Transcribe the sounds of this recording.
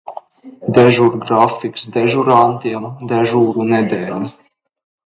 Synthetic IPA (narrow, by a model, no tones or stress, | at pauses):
d̪ɛʒuɾɡɾafiksd̪ɛʒuɾant̪iɛmd̪ɛʒuːɾunɛd̪ɛːlʲi